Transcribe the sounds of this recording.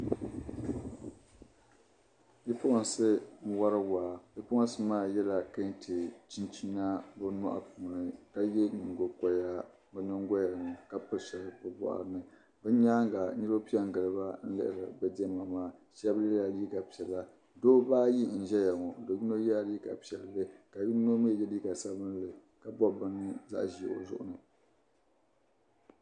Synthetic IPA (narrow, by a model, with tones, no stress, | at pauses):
ji˦pʊ˦ʔʊ˨n˨sɨ˦ŋ̩˦wa˦ɾɨ˦waː˨bi˦pʊ˦n˨sɨ˦maː˦˨jɛ˦la˨ka˦n˦tʰɨ˨t͡ʃi˦nt͡ʃi˦na˦bɨ˦nɔ̰˦ʔa̰˨puː˨nɨ˨ka˦jɛ˦nɨ˨ŋ˨ɡo˨ka˨ja˦ | bɨ˦nɨ˦ŋ˦ɡo˦ja˨n˨ka˦pɨ˦ʃɛ˨lpɨ˨bɔ̰˨ʔa̰˨ɾɨ˦nɨ˦˨ | bɨ˦ɲa˦ŋ˦ɡa˨nɨ˦ɾo˦pi˦ɛ˦˨ɡɨ˨lɨ˦ba˦n̩˦lɨ̰˦ʔɾɨ˨bɨ˨dɛ˦ma˨maː˦ʃɛ˦blɨ˦a˨li˦ɡa˨pi˨ɛ˨lːa˦ | doː˦baː˦ji˦n̩˨ʒɛ˦ja˨ŋɔ˨do˨ɲi˦no˦ja˦ɾi˦ka̰˨pi˨ɛ˨lːɨ˦ka˨ji˦no˦m˦ɛ˦˨jɛ˦li˦ka˨sa˦bɨ˦n˦lɨ˨ | ka˨bɔ˦˨bɨ˦nɨ˦za̰˦ʔʒi˨o̰˨zʊ̰˦ʔʊ̰˦nɨ˨